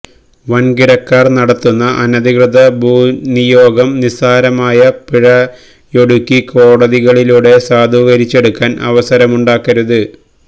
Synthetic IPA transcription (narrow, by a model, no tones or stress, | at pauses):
ʋɐnɡiɽɐkːaːrnɐɽɐt̪ːunːɐʔɐnɐðikrɨd̪ɐbʱuːnijo̞ːɡɐmnisaːɾɐmaːjɐpiɻɐ | joɽukʲːiko̞ːɽɐðiɣɐɭiluːɽe̞saːd̪ʱuːɣɐɾit͡ɕːe̞ɽukːaːnʔɐ̰ʋɐsɐɾɐmuɳɖaːkːɐɾuðɨ